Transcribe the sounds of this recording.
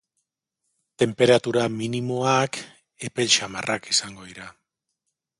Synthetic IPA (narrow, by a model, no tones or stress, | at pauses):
t̪e̞mpe̞ɾat̪uɾaminimo̞ak | e̞pe̞lt͡ʃama̰rʔakisaŋɡo̞ðiɾa